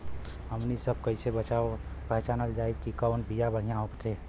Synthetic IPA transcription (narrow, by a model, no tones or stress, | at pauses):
ɦəmnisəb̚kəɦisebət͡ʃaːopəɦt͡ʃanəld͡ʒaːɪkikəʊnbijabəɽ̤ijãɦopt̪ʰe